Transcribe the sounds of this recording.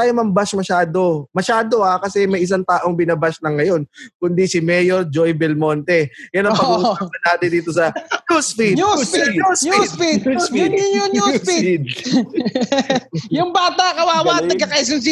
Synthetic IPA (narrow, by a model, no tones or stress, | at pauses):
taːjomɐmbaʃmɐʃaːd̪o̞mɐʃaːd̪o̞akɐsɛmɐjʔɪs̬aŋt̪aːʔo̞ŋbɪnɐbaʃlɐŋːɐjo̞nkʊnd̪isɪmɛːjoɾd͡ʒojbɛlmo̞nt̪ɛjɐnɐpɐɡuːsɐkɐnaːt̪ɪnd̪iːt̪osɐjuspiuiusipijʊnuspid̪̚ | jʊŋbaːt̪ɐkɐwaːwaːnɐɡkɐkɐis̬ɪns̬i